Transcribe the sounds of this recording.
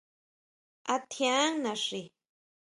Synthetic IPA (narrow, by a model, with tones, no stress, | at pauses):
a˧t̪ʰjã˦ŋnã˨ʂi˨